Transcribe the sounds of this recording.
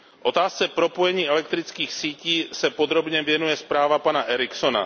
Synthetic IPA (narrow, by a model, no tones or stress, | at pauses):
ʔo̞t̪aːst͡sɛpɾo̞po̞jɛɲiːʔɛlɛk̚t̪ɾɪt͡skiːxsiːciːsɛpo̞d̪ɾo̞bɲɛvjɛnujɛspɾaːvapanaʔɛɾɪkso̞na̰